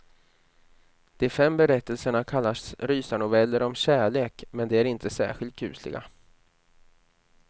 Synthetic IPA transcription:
d̪̥ɛæɾfɛmbɛɾɛt̪ːəlsəɳakʰalːasɾyːsanʊvɛlːəɾɔmɕæːɭeːkmɛnd̪ɛæɾɪnt̪ʰəsæ̰ːɧɪlt̪̚kʰʉ̟ːslɪ̰ɡa̰

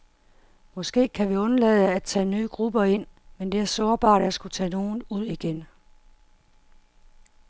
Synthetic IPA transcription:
mɒ̽sɡ̥e̝̰ːkʰæʋiɔ̽nɐlɛð̩ˠəæ̥t͡sʰɛ̰ːnyːɡ̥ʁub̥ɐe̝n̰mend̥e̝æɐsɔɐb̥ɑ̰̈ːɾ̥æsɡ̥ut͡sʰɛ̰ːno̝ːn̩uð̞̰ˠiɡ̥en

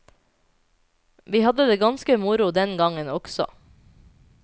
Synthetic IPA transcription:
ʋiːhɑd̪əd̪eːɡɑnskəmʊɾʊd̪ɛnɡɑŋənɔɡ̥sɔ̰

